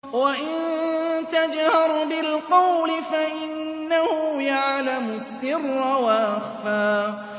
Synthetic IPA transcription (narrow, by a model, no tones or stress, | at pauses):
waʔɪnnt̪ad͡ʒhɑɾˤbɪlqɑwlɪfaʔɪnːahʊjaʕlamʊsːɪrˤːɑwaʔaxfaː